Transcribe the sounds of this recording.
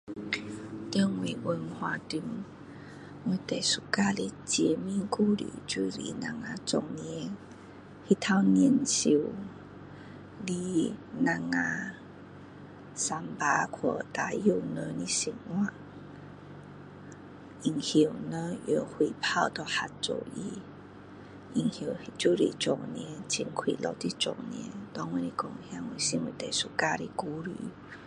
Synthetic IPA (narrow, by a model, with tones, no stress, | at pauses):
t̪ə˧ŋwi˨˩wə˧nhwa˧t̪i˧ŋ | we˧˩t̪e˨˩su˨˩ka˥˧li˦t͡ɕjɛ˧mĩ˥˨ŋku˥˧˨lḭ˨t͡ɕu˧lḭ˧nã̰˧ŋa˧t͡sɔ˧˩ŋnjɛ˧˦ | hi˦t̪ʰa˧wnjɛ˥˧˨nɕi˧˩w | li˦na˧ŋa˧ | sa˧mpa˧˦kʰwə˧˩˨t̪a˨˩ju˦˧˩nə̃˧nĩ˦si˧˨˩ŋwã˦˧ | i˨˩ŋhi˨wnə̃˧˦jo˧˩hwi˨pʰa˦˧wt̪ɔ˨˩ha˨t̚t͡so̰˨˩˨wi˧ | ʔi˧˩ŋhji˨˩˨hi˧˨t͡ɕu˦ɾḭ˨t͡ʃɔ˨˩ŋn˧ɛ̃˧˦t͡ɕi˧˨ŋkʰwḭ˨lɔ̰˧˩t̪i˦t͡ʃɔ̰˨˩ŋn˧ɛ̰̃˧˦t̪ɔ˧˦ŋwẽ˧˦li˧kɔ˧˩ŋhja˧˦ŋwi˧˨sĩ˧˦ŋwi˧˨t̪e˨su˧˩ka˧ɾi˧ku˧˦ɾḭ˨˩